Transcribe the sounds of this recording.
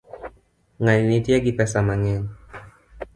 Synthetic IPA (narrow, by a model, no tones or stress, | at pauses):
ŋaninitiaɡipɛsamaɲɛn